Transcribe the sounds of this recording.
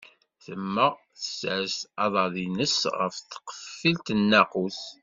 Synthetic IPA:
θəmːəʁ | θə̥sʕəst̪ɑðˤɑðˤinəsʁə̰fθqə̥fːilt̪ənːaquθ

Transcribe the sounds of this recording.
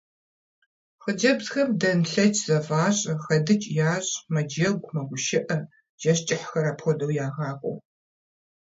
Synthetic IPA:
χəd͡ʒɐbzxɐmdɐnɬɐt͡ʃʰʼz̥ɐfaːɕʼɐxɐdɨt͡ʃʼjaːɕʼmɐd͡ʒɐɡʷmɐɡʷʊʃɪʔɐ | ʒ̥ɐɕt͡ʃʼɪħxɐɾaːpxʷɔdɐwjaːʁaːkʷʼɔ̰w

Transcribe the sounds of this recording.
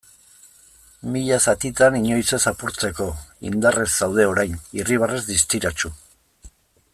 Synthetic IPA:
miʎasat̪it̪aniɲo̞jse̞sapuɾt͡se̞ko̞ḭnd̪are̞zːawð̞e̞o̞ɾajniriβ̞arezd̪ist̪iɾat͡ʃu

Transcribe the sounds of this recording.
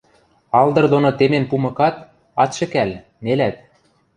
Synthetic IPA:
ɑld̪ɤ̆rd̪onot̪emempumɤ̆kɑt̪ | ɑt̪ʃɘ̆kæl | nelæt̪̚

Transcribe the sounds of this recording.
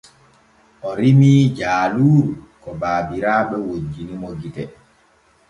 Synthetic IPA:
ʔɔɾimiːd͡ʒaːluːɾukɔbaːbiɾaːɓɛwod͡ʒːinimoɡitɛ

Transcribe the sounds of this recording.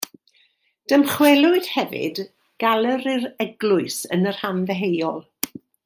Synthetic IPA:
d̥əmχwɛlˠʊɨd̥hɛvɨ̰d | ɡ̥alˠəɾiɾɛɡlˠʊɨsənər̥hanvɛɦejɔlˠ

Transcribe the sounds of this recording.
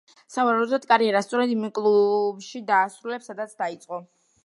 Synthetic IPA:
savaɾaud̪ɔt̪̚kʼaɾiɛɾast̪sʼɔɾɛd̪imkʼlˠubʃid̪aːsɾulɛpsːad̪at̪sʰd̪ait̪sʼqʼɔ

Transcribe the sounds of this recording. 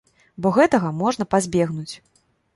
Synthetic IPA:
bɔɣɛt̪ɐɣɐmɔʐn̪ɐpazʲbʲɛɣnut͡sʲ

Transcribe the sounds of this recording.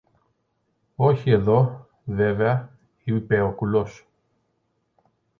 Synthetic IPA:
oçie̞ðo̞ | veveɐ | ipeokulos

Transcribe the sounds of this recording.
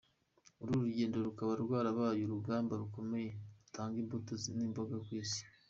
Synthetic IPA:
uɾuɾuɟe̞ːndoɾukaβauɾɡwaːɾaβaːjoɾuɡaːmbaɾuko̞me̞jeɾutʰaːŋɡiːmbotoziniːmbo̞ɡakwiːsi̥

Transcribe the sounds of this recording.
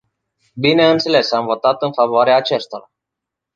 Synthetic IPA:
bine̞ɨnt̪sele̞samvot̪sat̪ɨnfavoaɾeaːt͡ʃest̪oɾa̰

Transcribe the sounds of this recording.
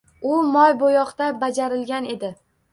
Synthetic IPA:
ʊmɒjbojɒqt̪abad͡ʒaɾɪlɡʲane̞d̪ɪ

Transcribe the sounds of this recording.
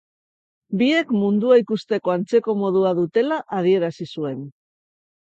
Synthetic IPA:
bie̞kmund̪uaikust̪e̞ko̞ant͡se̞ko̞mo̞ð̞uað̞ut̪e̞laʔað̞ie̞ɾasisue̞n

